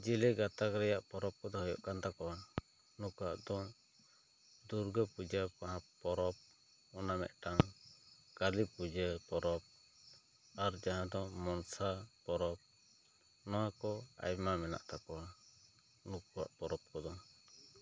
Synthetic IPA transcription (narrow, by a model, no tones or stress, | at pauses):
d͡ʒiliɡat̪akɾɛjaʔpɔɾɔp̚kɔd̪ɔɦɔjɔ̰ʔkant̪akɔwa | nukaʔd̪ɔ | d̪uɾɡəpud͡ʒəkaɦãpɔɾɔp̚ | ɔnamɛ̰ʔ̪ʈaŋ | kalipud͡ʒəpɔɾɔp̚ | aɾd͡ʒaɦãd̪ɔmɔnsapɔɾɔp̚ | nɔwakɔa̰jmamɛna̰ʔt̪akɔwa | nukuwa̰ʔpɔɾɔp̚kɔd̪ɔ